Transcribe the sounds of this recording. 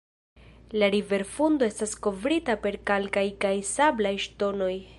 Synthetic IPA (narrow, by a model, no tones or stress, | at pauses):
laɾive̞ɾfundo̞e̞stasko̞vɾitape̞ɾkalkajkajsablajʃto̞no̞j